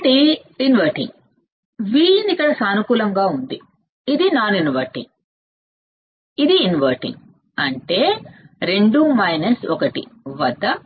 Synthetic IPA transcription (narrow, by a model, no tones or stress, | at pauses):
ʈi | inʋɐɾʈḭŋɡ | ʋiːinikːɐɽɐsaːnukuːlɐŋɡaːund̪iː | d̪inaːninʋɐɾʈḭŋɡ | id̪iːnʋɐɾʈḭ̃ŋɡ | ɐɳʈe̞ːɾe̞ɳɖumɐjnɐsɔkɐʈḭʋɐd̪ːɐ